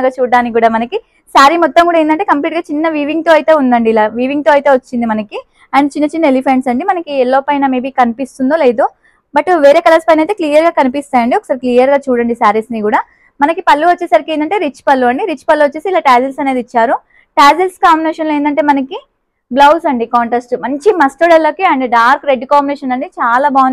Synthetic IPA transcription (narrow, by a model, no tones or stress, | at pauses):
ɡaːt͡ʃuːɖaːnikkːɡuːɽaːmɐnɐki | saːɾimɔt̪ːɐmŋkuːɽaend̪ɐɳʈe̞ːkɐmp̬liːʈ̚ɡaːt͡ʃinːɐʋiːʋiŋɡ̚t̪o̞ːɐjt̪e̞ːund̪ɐɳɖiːlaːʋiːʋiŋɡ̚t̪o̞ːɐjt̪e̞ːʋɐt͡ʃːind̪imɐnɐki | ɐɳt͡ʃinːɐt͡ʃinːɐelipʰe̞ɳʈsɐɳɖimɐnɐkiɛlːoːpɐjnɐmeːbiːkɐnipist̪und̪o̞ːle̞ːd̪u | bɐʈʋeːɾe̞ːkɐlɐspɐjnɐjt̪̬eːkliːjɐɾɡaːkɐnipist̪aːjɐɳɖiɔkɐ̥saːɾekliːjɐɾɡaːt͡ʃuːɽɐɳɖisaːɾisnikuːɽaː | mɐnɐkipɐlːuʋɐt͡ʃːeːsaɾikieːnd̪ɐɳʈe̞ːɾit͡ʃːpɐlːuɐɳɖiɾit͡ʃːpɐlːuʋɐt͡ʃːeːsiːlaːʈaːd͡ʒelsɐne̞ːd̪it͡ʃːaːɾu | ʈaːd͡ʒelskaːmbineːʃɐnloeːnd̪ɐɳʈe̞ːmɐnɐki | blɐwsɐɳɖikaːɳʈɐsʈmɐɲt͡ʃimɐsʈ̪oɽɛlːoːkiɐɳɖiɖaːɾkɾeɖːkaːmbineːʃɐnɐɳɖit͡ʃaːlaːbaː